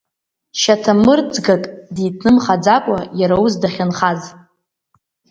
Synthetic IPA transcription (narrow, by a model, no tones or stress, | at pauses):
ʃatʰamɨrd͡zɡakʼditʰnɨmχad͡zakʷʼajaɾawuzdaχʲɪnχaz